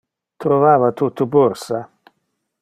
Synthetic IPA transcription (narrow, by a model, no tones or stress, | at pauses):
t̪ɾovaːvat̪ut̪ːupoɾsa